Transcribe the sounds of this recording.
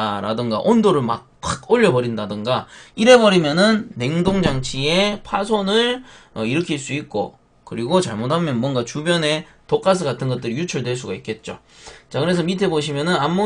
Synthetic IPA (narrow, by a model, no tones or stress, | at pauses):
aɾa̰dɯŋɡa̰ʔondoɾɯɭma̰k̚k͈aɡoʎːʌbʌɾindadɯŋɡaiɾe̞bʌɾimjʌnɯnːe̞ŋdoŋd͡ʑaŋt͡ɕʰie̞pʰasʰonɯɭʌiɾɯkʰiɭs͈uik̚k͈o̰ | kɯɾiɡot͡ɕaɭmotʰamjʌnmwʌnɡat͡ɕubjʌne̞tok͈as̬ʰɯɡatʰɯnɡʌt͈̚ɯɾijut͡ɕʰʌɭdwe̞ɭs̬͈uɡaik͈e̞t̚t͡ɕ͈o̰ | t͡ɕakɯɾe̞s̬ʰʌmitʰe̞boɕ̬ʰimjʌnɯnamːo